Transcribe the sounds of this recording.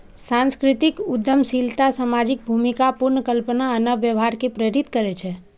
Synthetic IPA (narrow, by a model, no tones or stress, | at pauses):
sãnskɾit̪ikud̪jəmsilt̪asamad͡ʒik̚bʱumikapuɾnəkəlpənaənəʋjəʋɦaɾkepɾeɾit̪kəɾɛt͡ʃʰɛ